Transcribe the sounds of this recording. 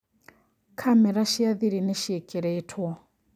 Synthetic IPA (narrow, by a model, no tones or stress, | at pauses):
kʰamɛɾaʃiaðiɾinɛʃiɛkʼɛɾɛitʰɔ